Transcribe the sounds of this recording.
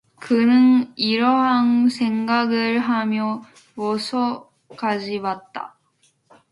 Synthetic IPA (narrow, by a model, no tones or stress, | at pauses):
kɯnɯniɾʌɦansʰe̞ŋɡaɡɯɾɦamjʌ | wʌsʰʌ | kad͡ʑiwat̚t͈a̰